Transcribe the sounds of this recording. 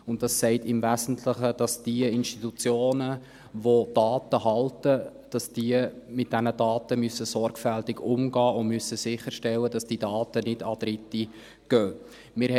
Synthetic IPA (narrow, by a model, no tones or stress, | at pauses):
ʊnt̚dɑssɛɪtɪmvæzn̩tʰləχəd̥ɑsd̥iəɪnʃtitut͡sjoːnə | vod̥ɑːtəhɑltəd̥ɑsd̥iəmɪt̚d̥ænədɑːtəmysəsɔɾɡfæltɪɡʊmɡɑːʊnmysːəsɪχəɾʃtɛlːədɑsd̥idɑːtənɪdɑd̥ɾɪti | ɡ̥øː | mɪɾ